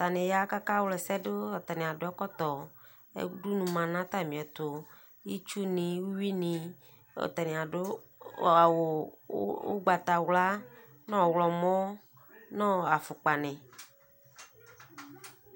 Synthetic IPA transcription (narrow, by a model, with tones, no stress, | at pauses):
t̪a˨nɪ̃˨ja˦ka˦ka˦wlɛ˨sɛ˦ɖʊ˦ɔ˨t̪a˨nẽ˨a˨dʊ˦ɛ˦kɔ˦t̪ɔ˨ | ɛ̰˦du˦nũ˨mã˨nã˦t̪a˦˨mĩ˨ɛ˨t̪ʊ˨ | ji˦t͡ʃu˦nɪ̃˨wu˦wi˦nĩ˨ | ɔ̰˨t̪a˨nẽ˨a˨ɖʊ˦˨ | w | wo̰˦ɡ͡ba˨t̪a˨wla˦ | nɔ̃˦˨wlɔ˨mɔ̃˦ | nɔ̃˦˨a˨fʊ˨k͡pa˨nɪ̃˨